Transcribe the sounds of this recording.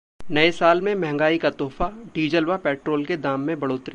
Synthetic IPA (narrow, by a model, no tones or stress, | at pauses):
nɐesaːlmẽmɛ̃ɦɛ̃ŋɡaːikat̪ɔːfaɖiːd͡ʒəlʋapɛːʈɾoːlked̪aːmːẽbɐɽoːt̪ɾi